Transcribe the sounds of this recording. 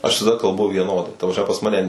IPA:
ɐʃ ʋʲɪsɐˈdɐ kɐlˠˈbʊ ʋʲiɛˈnoːdɐɪ tɐ prɐsʲˈmʲɛ pɐs ˈmɑːnʲɛ

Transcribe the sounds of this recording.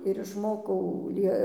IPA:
ɪr ɪʃˈmoːkɐʊ ˈlʲiɛ

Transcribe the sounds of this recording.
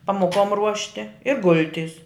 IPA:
pɐmoːˈkoːm ˈruɔʃʲtʲɪ ɪ ˈɡʊlʲˌtʲɪs

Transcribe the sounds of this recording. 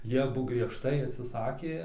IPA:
ˈjiɛ ɐˈbʊ ɡrʲiɛʃˈtɐɪ ɐtʲsʲɪˈsɑːkʲeː

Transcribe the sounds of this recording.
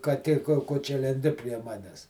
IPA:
kɐˈtʲeː koː ˈkoː t͡ʃʲɛ lʲɛnʲˈdʲɪ pʲrʲiɛ ˈmɑːnʲɛs

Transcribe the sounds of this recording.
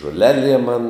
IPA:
ʒoːˈlʲæːˌlʲiɛm mɐn

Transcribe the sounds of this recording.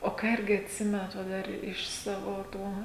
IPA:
oː ˈkɑː ˈɪrʲɡʲɪ ɐtʲˈsʲɪmʲɛnɐt ʋɐ ˈdɐr ɪʃ ˈsɑːʋoː ˈtuː

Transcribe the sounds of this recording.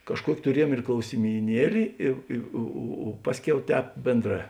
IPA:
kɐʃˈkuɔkʲɪ tʊˈrʲiɛjuɔm ɪr klˠɐʊsʲɪmʲiːˈnʲiɛlʲɪ ɪ ˈɪ oː oː oː ˈpɑːsʲˌkʲɛʊ ˈtʲɛːp ˈbʲeːnˌdrɑː

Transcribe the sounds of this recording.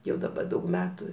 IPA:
ˈjɛʊ dɐˈbɐ ˈdɐʊk ˈmʲæːtʊ

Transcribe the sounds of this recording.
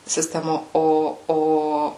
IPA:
sʲɪˈsʲtʲæːmoː ˈoː ˈoː

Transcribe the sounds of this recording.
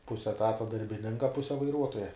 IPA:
ˈpʊsʲɛ ɛˈtɑːtɐ dɐrʲbʲɪˈnʲɪŋkɐ ˈpʊsʲɛ ʋɐɪˈruɔtoːjɛ

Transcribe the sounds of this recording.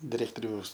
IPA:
dʲɪˈrʲæːktoːrʲɛʊs

